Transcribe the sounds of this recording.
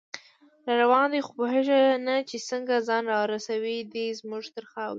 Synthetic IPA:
ɾɑɾawɑnd̪exopəɦɪʒanat͡ʃesəŋɡazɑnɾɑɾasawid̪izmuʒt̪əɾxawɾ

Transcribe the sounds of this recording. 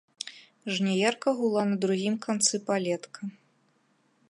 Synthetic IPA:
ʐnʲɛjɛrkɐɣulˠanɐd̪ɾuɣʲimkant̪sɨpalʲɛt̪kʰɐ

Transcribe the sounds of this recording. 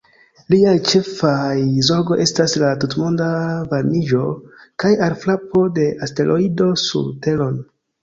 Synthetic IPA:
liajt͡ʃe̞fajzo̞ɾɡo̞ʔe̞staslatutmo̞ndavaɾmid͡ʒo̞kajaɾflapo̞de̞ʔaste̞lʔoido̞sṵɾte̞lo̞n

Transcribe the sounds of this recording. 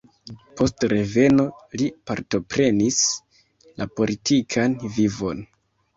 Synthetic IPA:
po̞stɾe̞ve̞no̞lipaɾto̞pɾe̞nis | lʔapo̞litʰikʰanvivo̞n

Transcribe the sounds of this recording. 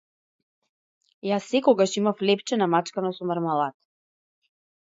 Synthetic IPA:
jasːɛkɔɡaʃimaflɛpt͡ʃɛnamat͡ʃkanasɔmaɾmalˠat̪

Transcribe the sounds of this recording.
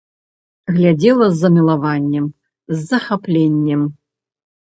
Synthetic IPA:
ɣlʲad͡zʲɛlˠɐzːɐmʲilˠavanʲːɛm | zːɐxaplʲenʲːɛm

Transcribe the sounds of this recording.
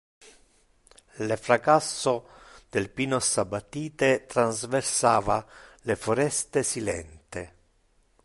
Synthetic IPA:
lefɾakasːo | d̪̥ɪlpinɔsabat̪ːiːt̪et̪ɾanzversaːvalefoɾɛst̪esilɛ̰nt̪e

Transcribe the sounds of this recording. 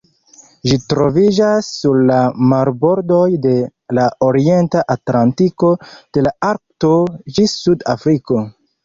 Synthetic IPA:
ʒitɾo̞vid͡ʒasːuɾlamaɾbo̞ɾdo̞jde̞laoɾie̞ntaʔatlantiko̞d̥e̞laaɾk̚to̞d͡ʒissuda̰fɾiko̞

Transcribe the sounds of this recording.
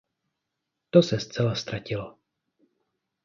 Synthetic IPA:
t̪osɛst͡sɛlast̪ɾacɪlo

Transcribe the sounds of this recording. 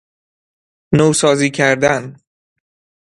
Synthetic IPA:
nowsɒːziːcʰæɾd̪æn

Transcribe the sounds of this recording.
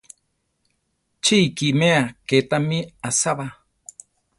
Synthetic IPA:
t͡ʃikimeaket̪amiasaβa

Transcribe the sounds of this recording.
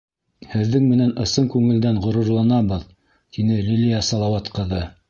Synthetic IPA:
hɘ̆ðːɘŋmɘ̆nænɤ̆sɤŋkʉŋɘ̆ld̪ænʁŏɾɤ̆ɾlˠɑnɑbɤð | t̪inɘlʲilʲijæsɑlˠɑwɑt̪qɤ̆ðɤ

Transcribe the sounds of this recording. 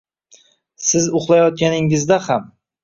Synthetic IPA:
sɪzʊχlˠajɒt̪̚kʲanɪŋɪzd̪aham

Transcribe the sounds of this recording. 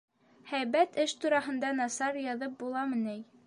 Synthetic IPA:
hæjβæt̪ɘʃt̪uɾɑɦɤ̆nd̪ɑnɑsɑɾjɑðɤp̚bulˠɑmɘ̆nɘj

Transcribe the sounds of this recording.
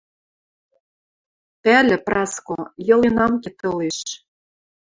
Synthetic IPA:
pælʲɘ̆prɑskojɤ̆lenɑmket̪ɤ̆leʃ

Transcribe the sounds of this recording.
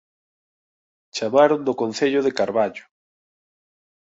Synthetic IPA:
t͡ʃamaɾʊnd̪okonθeʎʊðekaɾβaʎʊ̥

